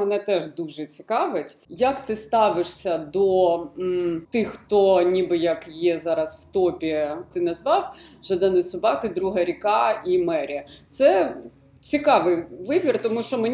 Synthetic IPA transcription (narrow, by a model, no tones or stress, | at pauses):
ɐnɛt̪ɛʒd̪uʒɛt͡sʲi̥kɑʋɪtʲjɐkt̪ɪst̪ɑʋɪʂsʲɐd̪ɔ | t̪ɪxːt̪ɔnʲibɪjɐkjɛzɑɾɐsw̥t̪ɔpʲit̪ɪnɐzʋɑwʒɐd̪ɛnʊsʊbɑkɪd̪ɾuɦɐɾʲikɑimɛɾʲiɐt̪sɛ | t͡sʲikɑʋɪjʋɪbʲirt̪ɔmuʃt͡ʃɔmenʲ